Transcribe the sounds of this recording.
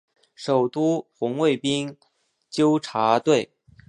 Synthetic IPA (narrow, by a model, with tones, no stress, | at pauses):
ʂo˨˩ʊt̪u˥xʊ˧˥ŋwe˥˩ɪpi˥ŋ | t͡ɕjo˥ʊʈ͡ʂʰa˧˥t̪we˥˩ɪ